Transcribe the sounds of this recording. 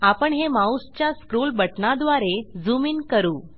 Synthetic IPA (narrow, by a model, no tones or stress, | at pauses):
apəɳɦemaust͡ɕjaskɾuːlbəʈnad̪ʋaɾed͡zumiːnkəɾuː